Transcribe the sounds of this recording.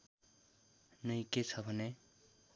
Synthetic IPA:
nʌj̃ket͡sʰʌbʱʌne

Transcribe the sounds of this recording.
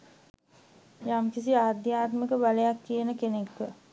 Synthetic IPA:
jamkis̬iaːd̪jaːt̪məkəbalejakːijənəkenekːə

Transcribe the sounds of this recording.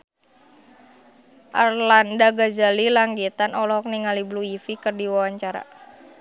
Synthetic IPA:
ʔarlandaɡazalilaŋɡit̪anɔlɔɦɔk̚niŋalibluifikɨrdiwawaɲt͡ʃaɾa̰

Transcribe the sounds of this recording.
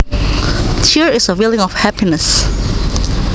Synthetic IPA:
tʰiɹɪsəwilɪ̃ŋɔfhæpinəs

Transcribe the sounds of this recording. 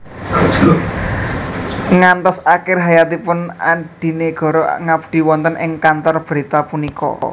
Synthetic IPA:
ŋant̪ɔsakɪrɦajat̪ipʊna̰ɖ̥i̤neɡ̥ɔ̤ɾɔŋabd̪̥i̤wɔnt̪ənʔɪŋkant̪ɔrb̥ɾit̪apunikʰɔ̰

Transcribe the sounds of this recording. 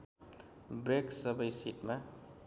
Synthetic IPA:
bɾeksʌbʌjsiʈma

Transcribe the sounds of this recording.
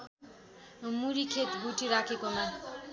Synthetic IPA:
muɾikʰet̪bʱuʈiɾakʰekoma

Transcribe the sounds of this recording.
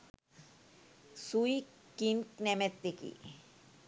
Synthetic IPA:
suikinknemet̪ːekḭ

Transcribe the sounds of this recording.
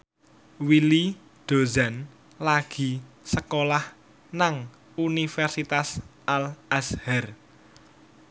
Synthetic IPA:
wili | d̪̥o̤za̤n | laɡ̥i̤ | səkolah | naŋ | unifɛrsit̪asʔalʔashɛr

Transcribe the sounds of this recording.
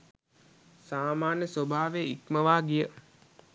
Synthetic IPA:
saːmaːnjəswobʱaːʋeikməʋaːɡijə

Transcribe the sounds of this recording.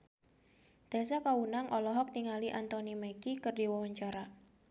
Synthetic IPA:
d̪̥asakawunaŋʔɔlɔɦɔk̚niŋaliʔant̪ɔnimakikərdiwawaɲt͡ʃaɾa

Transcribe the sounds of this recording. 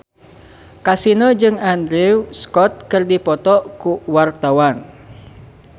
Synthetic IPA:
kasinod͡ʒɨŋand̪ɾiwskɔt̪̚kərdipɔt̪ɔʔkuwart̪awan

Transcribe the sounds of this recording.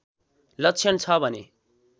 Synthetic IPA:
lʌkt͡sʰʌnt͡sʰʌbʱʌne

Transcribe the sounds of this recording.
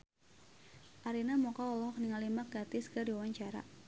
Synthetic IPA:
ʔaɾinamɔkaɔlɔɦɔk̚niŋalimak̚ɡat̪ɪskɨdiwawaɲt͡ʃaɾa̰

